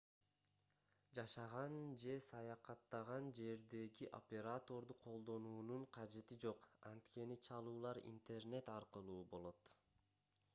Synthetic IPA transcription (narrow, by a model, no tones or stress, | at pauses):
d͡ʒɑʃɑʁɑnd͡ʒe̞sɑjɑqɑt̪ːɑʁɑnd͡ʒe̞ɾd̪e̞ɡiʔo̞̰pʲe̞ɾat̪o̞ɾd̪uqʰo̞lˠd̪o̞nuːnuɴqʰɑd͡ʒe̞t̪id͡ʒo̞qɑnt̪ke̞nit͡ʃʰɑlˠuːlˠɑɾḭnt̪e̞rne̞t̪ɑɾqɯlˠuːbo̞lˠo̞t̪